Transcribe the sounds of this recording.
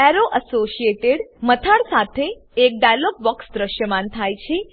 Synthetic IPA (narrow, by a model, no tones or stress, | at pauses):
ɛɾoʔəsoʃieʈeɽmət̪ʰaɽsat̪ʰeːk̚ɖajlop̚bɔksd̪ɾəʃjəmant̪ʰajt͡ʃʰe